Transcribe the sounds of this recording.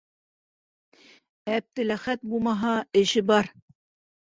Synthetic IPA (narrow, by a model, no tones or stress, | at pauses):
æp̚t̪ɘ̆læχæt̪̚bulˠmɑɦɑɘ̆ʃɘbɑɾ